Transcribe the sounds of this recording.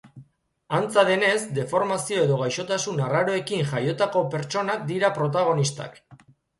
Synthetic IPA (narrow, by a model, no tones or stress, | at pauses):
ant͡saðe̞ne̞zd̪e̞fo̞ɾmasio̞e̞ðo̞ɣ̞ajʃo̞t̪asunaraɾo̞e̞kiŋʝajo̞t̪ako̞pe̞ɾt͡ʃo̞nak̚d̪iɾapɾo̞t̪̬aɣ̞o̞nist̪a̰k